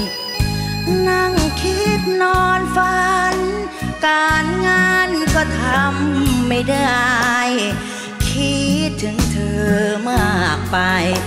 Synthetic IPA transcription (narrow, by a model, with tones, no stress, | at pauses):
na˧˩ŋkʰi˦˥t̪̚nɔː˧nfa˧n | kaː˧nŋaː˧nkɔː˧˩t̪ʰa˧mːa˥˩jda˧˩j | kʰi˦˥˦t̪̚ːʰɯ˨˦ŋt̪ʰɤː˧ma˧˩k̚pa˧j